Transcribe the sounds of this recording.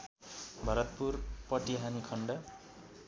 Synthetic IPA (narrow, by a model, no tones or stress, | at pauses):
bʱʌɾʌt̪̚purpʌʈiɦanikʰʌɳɖʌ